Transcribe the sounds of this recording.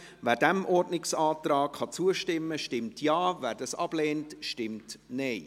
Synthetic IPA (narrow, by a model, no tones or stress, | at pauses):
væːɾdæmʔɔrdnɪksɑːtɾɑːkχɑt͡suəʃtɪmːəʃtɪmtʰjɑːvæːɾdɑsɑb̥lɛːntʃtɪmtnɛɪ